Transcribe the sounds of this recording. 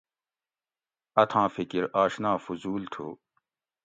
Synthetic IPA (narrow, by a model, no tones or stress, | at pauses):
ɐt̪ʰãːfikiɾaːɕnaːfuzuːlt̪ʰo̰ː